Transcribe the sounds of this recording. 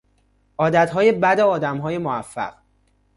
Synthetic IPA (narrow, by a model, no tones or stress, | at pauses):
ʔɒːd̪æt̪ɦɒːjebæd̪eɒːd̪æmɦɒːjemoæfːæ̰ɢ̥